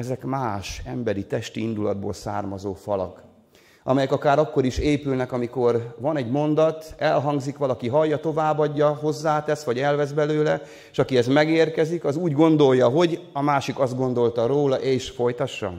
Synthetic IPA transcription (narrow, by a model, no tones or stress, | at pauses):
ɛzɛkmaːʃɛmbɛɾit̪ɛʃt̪iind̪ulɒd̪̚bo̰ːlsa̰ːrmɒzoːfɒlɒ̰k | ɒ̰mɛjɛkɒkaːɾɒkːo̞ɾiʃeːpylnɛkɒmiko̞rvɒnɛɟmo̞nd̪ɒt̪ɛlɦɒŋɡzikʋɒlɒkiɦɒjːɒt̪o̞vaːbɒɟːɒɦo̞zːaːt̪ɛsʋɒɟɛlvɛzbɛløːlɛ | ʃɒkiɛzmɛɡeːrkɛzikɒzuːɟɡo̞nd̪o̞jːɒɦo̞ɟɒmaːʃikɒzd̪ɡo̞nd̪o̞lt̪ɒɾoːlɒʔeːʃfo̞jt̪ɒʃːɒ̰